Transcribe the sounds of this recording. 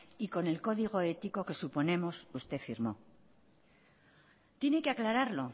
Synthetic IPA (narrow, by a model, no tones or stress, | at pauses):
iko̞ne̞lko̞ðiɣ̞o̞e̞t̪iko̞ke̞supo̞nẽ̞mo̞sust̪e̞fiɾmo̞ | t̪je̞ne̞keaklaɾaɾlo̞